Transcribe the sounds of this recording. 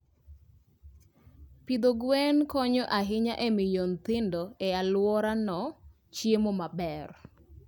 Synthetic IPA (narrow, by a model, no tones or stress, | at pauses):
pid̪oɡwɛnkɔɲɔʔaɦɪɲaʔɛmɪljont̪ɪndoɛalwɔɾanɔ | t͡ʃjemomabɛr